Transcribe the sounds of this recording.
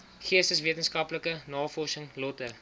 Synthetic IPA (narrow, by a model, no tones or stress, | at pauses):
χiəstəsviətənskɐpləkənɑːfɔrsəŋlɔtə